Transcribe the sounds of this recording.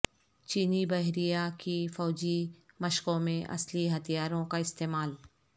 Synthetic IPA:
t͡ʃiːnibɐɦɾijakifɔːd͡ʒimɐʃkõmẽʔɐ̰sliɦɐt̪ijaːɾõkaɪst̪eːmaːl

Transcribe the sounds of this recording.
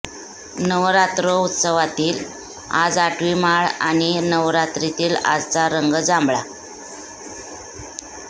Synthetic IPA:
nəʋɾat̪ɾəut̪səʋat̪iːl | a̰d͡zaʈʰʋimaɭa̰ɽ̃inəʋɾat̪ɾit̪iːla̰d͡zt͡saɾəŋɡəd͡zambɭa

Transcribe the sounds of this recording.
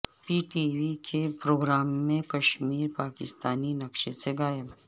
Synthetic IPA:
piːʈiːʋikʰepɾoːɡɾaːmːẽkɐʃmiːɾpaːkɪst̪aːninɐkʃeseɡaːjəb

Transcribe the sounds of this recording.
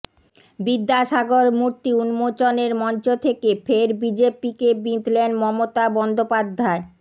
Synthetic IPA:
bid̪ːaʃaɡoɾmuɾt̪iunmot͡ɕoneɾmɔnt͡ɕot̪ʰekefʰeɾbid͡ʑepikebit̪lenmɔmot̪abɔnd̪opad̪ʱːae

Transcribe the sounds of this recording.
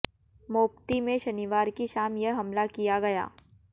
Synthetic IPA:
moːpt̪imẽʃɐniʋaːɾkiʃaːmjɐɦɦɐmlakijaɡɐja̰ː

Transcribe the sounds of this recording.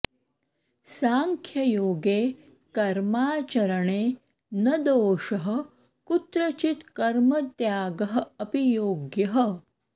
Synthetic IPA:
saːŋkʰjɐjoːɡeː | kɐɾmaːt͡ʃɐɾɐɳeː | nɐd̪oːʃɐɦɐ̆ | kut̪ɾɐt͡ʃit̪kɐɾmɐt̪jaːɡɐɦɐ̆ɐpijoːɡjɐɦɐ̆

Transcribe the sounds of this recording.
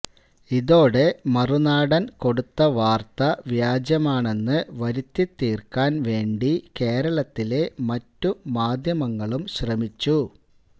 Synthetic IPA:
iðo̞ːɽe̞mɐrunaːɽɐnko̞ɽut̪ːɐʋaːrt̪ɐʋjaːd͡ʑjɐmaːɳe̞nːɨʋɐɾit̪ːit̪ːiːrkaːnʋe̞ːɳɖike̞ːɾɐɭɐt̪ːile̞mɐtːumaːd̪ʱjɐmɐŋːɐɭumɕrɐmit͡ɕːu

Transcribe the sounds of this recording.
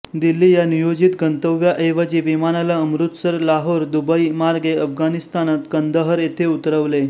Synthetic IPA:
d̪ilːiːjanijod͡ʑit̪ɡənt̪əʋːjaʔeʋad͡ʑiːʋimanalaəmɾut̪səɾlaɦoɾd̪ubəimaɾɡeəfɡanist̪anat̪ɡənd̪əɦəɾet̪ʰeut̪ɾəʋle

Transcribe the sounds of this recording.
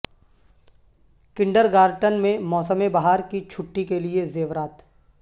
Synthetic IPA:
kɪ̃ɳɖəɾɡaːɾʈənmẽmɔːsəmebaɦaːɾkit͡ʃʰʊʈːikeliezeːʋɾaːt̪

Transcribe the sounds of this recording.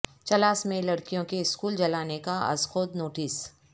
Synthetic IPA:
t͡ʃɐlaːsmẽlɐɽkijõkeɪskuːld͡ʒɐlaːnekaɐ̰skʰoːt̪noːʈiːs

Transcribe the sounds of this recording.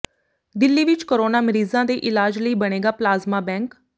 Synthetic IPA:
d̪ɪlːiːʋɪt͡ʃkəɾoːnaːməɾiːzãːd̪eːʔɪlaːd͡ʒləiːbəɽ̃eːɡaːplaːzmaːbɛ̃ːŋk

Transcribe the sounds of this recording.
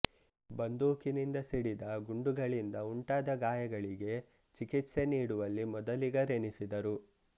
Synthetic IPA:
bɐnd̪uːkinind̪ɐsiɽid̪ɐɡuɳɖuɡɐɭind̪ɐuɳʈaːd̪ɐɡaːjɐɡɐɭiɡe̞ | t͡ʃikit̪se̞niːɽuʋɐlːimɔd̪ɐliɡɐɾenisid̪ɐɾu

